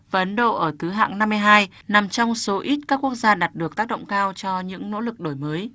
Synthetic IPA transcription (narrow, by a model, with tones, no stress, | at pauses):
vaː˨ə˨ʔə˨˦nɗo̰˧˨ʔəː˧˩t̪ʰɨ˨˦ɦa̰ː˧˨ŋna˧mː˧əjɦaː˧j | na˨˩mt͡ɕɔ˧wŋ͡mso˨˦ʔi˦˥t̚kaː˦˥kːu˦˥ək̚zaː˧ɗaː˨˩t̚ɗɨ˨˩ək̚t̪aː˦˥k̚ɗə̰˧˨wŋ͡mkaː˧wt͡ɕɔ˧ɲɨ̰˧˥ŋno̰˧˥lɨ˨˩k̚ɗo˧˩jməː˨˦j